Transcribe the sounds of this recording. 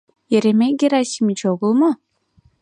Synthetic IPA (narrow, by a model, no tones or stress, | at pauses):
jeɾemeɡiɾasimit͡ʃʰoɡulˠmʊ